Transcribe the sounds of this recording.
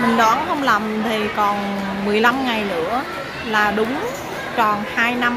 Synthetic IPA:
mï˨˩ŋ̟ɗaː˨˦nhə˧wŋ͡mla˨˩mt̪ʰi˨˩kɔ˨˩n | mɨ˨˩əjla˧mŋa˨˩jnɨ̰˧˥ə | laː˨˩ɗʊ˨˦ŋ͡m | t͡ɕɔ˨˩nhaː˧jna˧m

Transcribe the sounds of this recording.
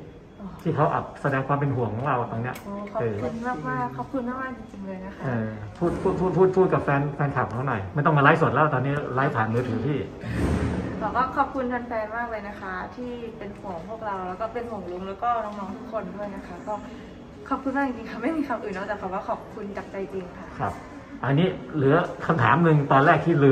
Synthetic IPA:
ʔɔː˨˩t̪ʰiː˥˩kʰa˦˥wʔa̰˨˩p̚sa˧dɛː˧ŋkʰwaː˧mpe˧nɦu˩˦ŋkʰɔ˨˩˦ŋɾa˧wa˨˩t̪o˧ŋni˦˥ɐʔoː˧˩kʰɔː˩ʔɤː˧kʰu˧nmaː˥˩k̚maː˥˩kʰːɔː˨˩p̚kʰu˧nmaː˥˩k̚maː˥˩t͡ɕi˧ŋt͡ɕi˧ŋlɤː˧jna˦˥kʰa˥ʔɤː˧pʰuː˥˩t̪̚pʰuː˥˩pʰuː˥˩t̪̚ʰuː˥˩t̪̚pʰuː˥˩t̪̚ka˨˩p̚fɛː˧nfɛː˧nkʰa˨˩p̚t̪ʰːnɔ˨˩jma˥˩jt̪ɔ˥˩ŋmaː˧laː˦˥su˨˩ət̪lɛ˦˥t̪ɔː˧niː˦˥˩laː˦˥jt̪ʰaː˨˩˦nmɯː˦˥t̪ʰɯː˩˦pʰiː˥˩ | t̪ʰɔː˨˩kɔː˥˩kʰɔː˨˩p̚kʰu˧nt̪ʰa˧nfɛː˧nmaː˥˩k̚laː˧jna˦˥kʰa˦˥t̪ʰiː˥˩pe˧nhu˨˩˦ŋpʰu˥˩ək̚ɾa˧wlɛː˦˥wkɔː˥˩pe˧nho˨˩˦ŋlu˧˦˥ŋlɛː˦˥wkɔː˥˩nɔː˧˩ŋmɔː˧ŋt̪ʰu˦˥kʰːo˧ndu˥˩əjna˦˥kʰa˦˥kɔː˥˩ | kʰɔː˨˩p̚kʰu˧nwaː˥˩t͡ɕi˧ŋt͡ɕi˧ŋkʰa˥˩ma˥˩jmiː˧kʰa˧mʔɯː˨˩nːɔ˦˥t̪ːka˨˩waː˥˩kʰɔː˨˩p̚kʰu˧nt͡ɕa˨˩k̚t͡ɕa˧jʔeː˧ŋkʰa˥˩kʰa̰˦˧˩p̚ | ʔa˧nːiː˦˥lɯ˩˦ɐkʰa˧mt̪ʰaː˩˦mnɯ˧ŋt̪ɔː˧nlɛː˥˩k̚t̪ʰiː˥˩lɯː˧

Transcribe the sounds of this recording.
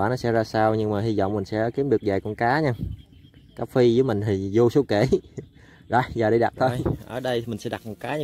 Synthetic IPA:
aː˧˩nɔ˨˦sɛ̰˧˥zaː˧saː˧wɲɨ˧ŋmaː˨˩hi˧zɔ̰˧˨ŋ͡mmï˨˩ŋ̟sɛ̰˧˥ki˨˦əmɗɨ˨˩ək̚zaː˨˩jkɔ˧nkaː˨˦ɲaː˧ | kaː˨˦˥fi˧zɨ˨˦jmï˨˩ŋ̟t̪ʰi˨˩zo˧so˨˦wke˧˩˨ | zɔ̰˧˨˩jzaː˨˩ɗə˨˧˩jɗa˨˩t̚t̪ʰəː˧jʔəː˨˩ɗə˧jmï˨˩ŋ̟sɛ̰˧˥ɗa˨˩t̚mɔ˨˩t̚kaː˨˦ɲ˧

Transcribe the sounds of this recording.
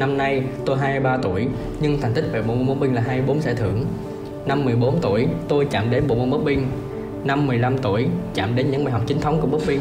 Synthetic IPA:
na˧mna˧jt̪o˧jɦaː˧jmi˧jɓaː˧t̪ṵ˧˩əj | ɲɨ˧ŋt̪ʰŋ̟t̪ï˦˥k̟̚ve˨˩ɓo̰˧˨mo˧nmə˦˥ɓi˧ŋ̟laː˨˩ɦaː˧m˧jɓo˨˦nsaː˧˩t̪ʰɨ̰˧˨əŋ | na˧mːɨ˨˩əjɓo˨˦nt̪ṵ˧˩əjt̪o˧jt͡ɕa̰ː˧˨mɗe˨˦nɓo̰˧˨m˧nmə˦˥k͡p̚ɓï˧ŋ | na˧mːɨ˨˩əjla˧mt̪ṵ˧˩əjt͡ɕa̰ː˧˨mɗe˨˦nɲɨ˧˥ŋmaː˨˩jɦw̚k͡p̚t͡ɕï˨˦ŋ̟t̪ʰə˨˦ŋ͡mku˧˩əɓə˦˥k͡p̚ɓi˧ŋ

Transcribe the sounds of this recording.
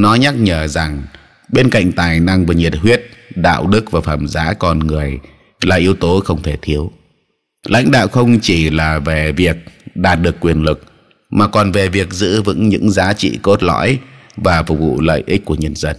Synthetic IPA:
nɔ˨˦ɲa˦˥k̚ɲəː˧˩za˨˩ŋ | ɓe˧nka̰˧˨jŋ̟t̪aː˨˩jna˧ŋvəː˨˩ɲi˨˩ət̚ɦwi˦˥ət̚ɗa̰ː˧˨wɗɨ˦˥k̚vaː˨˩faː˧˩mzaː˨˦kɔ˧nŋɨ˨˩əj | laː˨˩ʔi˨˦əwt̪o˨˦xə˧wŋ͡mt̪ʰe˧˩t̪ʰi˨˦əw | lʔa̰˧˥jŋ̟ɗa̰ː˧˨wxə˧wŋ͡mt͡ɕi˧˩laː˨˩ve˨˩vi˨˩ək̚ɗaː˨˩t̚ɗɨ˨˩əkːwi˨˩ənlɨ˨˩k̚ | maː˨˩kɔ˨˩nve˨˩vi˨˩ək̚zɨ̰˧˥vɨ̰˧˥ŋɲɨ̰˧˥ŋzaː˨˦t͡ɕḭ˧˨ko˦˥t̚lɔ̰˧˥jvaː˨˩fʊ˨˩k̚vṵ˧˨lə̰ː˧˨jʔi˦˥ku˧˩əɲə˧nzə˧n

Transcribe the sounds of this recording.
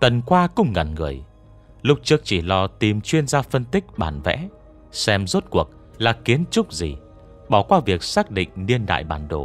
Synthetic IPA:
t̪ə˨˩nkwaː˧kʊ̰˧ŋ͡mŋa˨˩nŋɨ˨˩əj | lʊ˦˥k͡p̚t͡ɕɨ˦˥ək̚t͡ɕi˧˩lɔ˧˩t̪i˨˩mt͡ɕwi˧ənzaː˧fə˧nt̪ï˦˥k̚ɓa̰ː˧˩nvɛ̰˧˥ | sɛ˧mzo˦˥t̚ku˨˩ək̚ | laː˨˩ki˨˦ənt͡ɕʊ˦˥k͡p̚zḭ˨˩ | ɓɔ˧˩kwaː˧vi˨˩ək̚saː˦˥k̚ɗḭ̈˧˨ŋ̟ni˧ənɗa̰ː˧˨jɓaː˧˩nɗo̰˧˩

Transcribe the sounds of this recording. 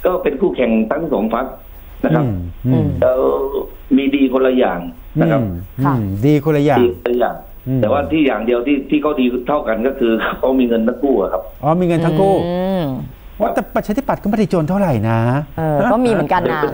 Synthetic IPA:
kɔː˥˩pe˧nkʰuː˥˩kʰɛ˨˩ŋt̪ʰa˦˥˩ŋ˥˩so˩˦ŋpʰa˦˥k̚ | na˦˥kʰɾa˦˥˩p̚ʔɯ˧˩lɛː˦˥w | miː˧diː˧kʰo˧la˧jaː˨˩ŋ | nɯa˦˥˧kʰa˦p̚ʔdiː˧kʰo˧nla˧jaː˨˧ko˧la˧jaː˨˩ŋ | ʔɯtːɛː˨˩waː˥˩t̪ʰiː˥˩jaː˨˩ŋdi˧əwt̪ʰiː˥˩t̪ʰiː˥˩kʰa˦˥˩wdiː˧t̪ʰa˥˩wka˧nkɔː˥˩kʰɯː˧kʰkʰa˦˥˩miː˧ŋɤ˧nt̪ʰa˦˥˩ŋkʰuː˥˩ʔa̰˨˩kʰa˦˥p̚ʔɔː˧˩miː˧ŋɤ˧nt̪ʰa˦˥˧ŋkʰuː˥˩ | ɔː˦t̪ɛː˨˩pːa˨t̪̚t͡ɕʰa˧t̪ʰi˥˩pa˨˩t̪̚kːm˧˥˩t̪i˧˩t͡ɕoː˧nt̪ʰa˥˩wɾa˨˩jna˦˥ʔːɔː˥˩miː˧mɯ˦nka˧n˧

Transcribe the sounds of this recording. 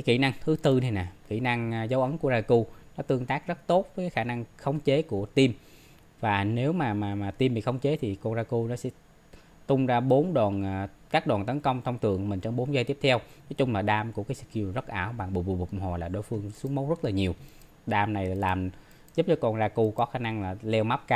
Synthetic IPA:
ka˨˦kḭ˧˩na˧ŋt̪ʰɨ˨˦t̪ɨ˧nʰi˧jna˨˩kḭ˧˩na˧ŋzə˨˦wʔə˨˦ŋku˧˩əzaː˧ku˧nɔ˨˦t̪ɨ˧əŋt̪aː˦˥k̚zə˦˥t̚t̪o˦˥t̚vəː˨˦jkaː˨˦jxaː˧˩na˧ŋxə˧˦wŋ͡mt͡ɕe˨˦ku˧˩ət̪i˧m | vaː˨˩ne˨˦wmaː˨˩maː˨˩maː˨˩t̪i˧mɓḭ˧˨xə˧wŋ͡mt͡ɕe˨˦t̪ʰi˨˩kɔ˧˩nzaː˧ku˧nɔ˨˦sɛ̰˧˥ | t̪ʊ˧ŋ͡mzaː˧ɓo˨˦nɗwɔː˨˩nː˨˩ | kaː˦˥k̚ɗwaː˨˩nt̪ə˨˦nkə˧wŋ͡mt̪ʰə˧wŋ͡mt̪ɨ̰˨əkːmï̟˨˩t͡ɕɔ˧ŋ͡mɓo˨˦nza˧t̪i˦˥əp̚t̪ʰɛ˧wnɔ˨˦jt͡ɕʊ˧ŋ͡mlaː˨˩ɗaː˧mku˧˩əkaː˨˦sɨ˧˩ki˧˨˩zə˦˥t̚ʔaː˧˩wɓa˨˩ŋɓṵ˨˧˨vṵ˨˩v̚ŋ͡mho˨˩laː˨˩ɗo˧˦jfɨ˧əŋsu˨˦əŋmə˨˦wŋ͡mzə˦˥t̚laː˨˩ɲi˨˩əw | ɗaː˧mna˨˩jlaː˨˩m | zu˦˥p̚t͡ɕɔ˨˦kɔ˧˩nzaː˧ku˧kɔ˨˦xaː˧˩na˧ŋlaː˨˩lɛ˧wma˦˥p̚kaː˧w

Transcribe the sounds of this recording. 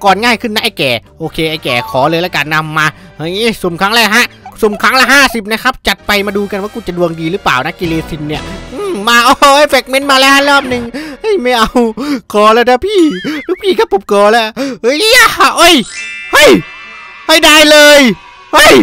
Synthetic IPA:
kɔː˨˩nŋaː˧˥˩jkʰɯ˧˩na˧˦˥ʔa˧˩kɛː˨˩ʔoː˧kʰeː˧ʔa˧˩jkɛː˨˩kʰɔː˩˦lɤː˧jlɛː˦˧˥kaː˨˩nːa˧mːaː˧ | hɤ˧˩jʔi˧˥˩su˨˩˦mkʰa˦˥ŋlɛː˧˩ɦa˦˥ʔsu˨˩mkʰa˦˥ŋlɛ˧˥˩ɦaː˥˩si˨˩p̚na˦˥kʰa˦˥p̚t͡ɕa˨˩t̪̚pa˧jmaː˧duː˧ka˧nwaː˧˥˩kuː˧˩t͡ɕa˨˩du˧əŋdiː˧ɾlɯː˦˥paː˨˩wna˦˥ki˧leː˧si˧˩nni˧˥˩ɐʔɯː˧˩maː˧ʔɔː˧˩ʔɤː˧˥˩jfɛ˨˩k̚me˦˥nmaː˧lɛː˦˥whʰa˧˥˨lɔː˥˩p̚nɯ˧ŋhɤ˧˥˩jma˧˥˩jʔa˧wkɔː˧lɛː˦˧˩d̪aː˦˧˥pʰiː˥˧˩lɯː˦˥pʰiː˧˩ka˧˩po˨˩p̚kɔː˧lɛ˦˧˥hɤ˧˥ja˧˥˩ʔɤ˧˥˩jhɤ˥˩j | ha˧˥˩jdaː˧˩jlɤː˧j | hɤ˥˩j

